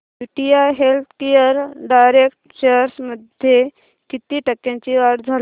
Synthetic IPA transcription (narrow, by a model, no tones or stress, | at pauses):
juʈijaɦelt̪ʰkejəɾɖajɾekʈt͡ɕəɾsməd̪ʱje | kit̪iʈəkːjãɲt͡ɕiʋaɽd͡zʱal